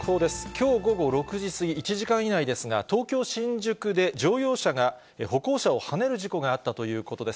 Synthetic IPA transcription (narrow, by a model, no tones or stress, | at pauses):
so̞ːd̪e̞sɨ̥kʲo̞ːɡo̞ɡo̞ɾo̞kɯ̟ʑisɨɡʲiːt͡ɕiʑikãɰ̃inaid̪e̞sɨɡa̰t̪o̞ːkʲo̞ːɕĩɲ̟d͡ʑɨkɯ̟d̪e̞d͡ʑo̞ːjo̞ːɕaɡa | eho̞ko̞ːɕao̞hane̞ɾɯ̟ʑiko̞ɡaːt̪ːat̪o̞jɯ̟ːko̞t̪o̞d̪e̞s